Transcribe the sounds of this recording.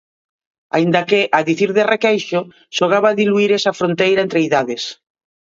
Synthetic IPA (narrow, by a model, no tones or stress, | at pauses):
a̰ind̪ɐkeʔaðiθiɾðerekejʃo | ʃoɣ̞aβaðiluiɾesɐfɾont̪ejɾaent̪ɾeiðaðes